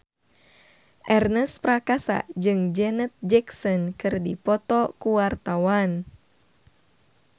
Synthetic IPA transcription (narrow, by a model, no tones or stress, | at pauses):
ʔɛrnəspɾakasa̰d͡ʒɨŋd͡ʒɛnət̪̚d͡ʒɛksɔnkɨrdipɔt̪ɔkuwart̪awan